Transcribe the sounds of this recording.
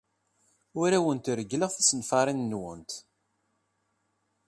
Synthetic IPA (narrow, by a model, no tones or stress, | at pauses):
ʊɾæwənt̪ɾəɡləʁθæsənfɑɾˤinːwə̰nt̪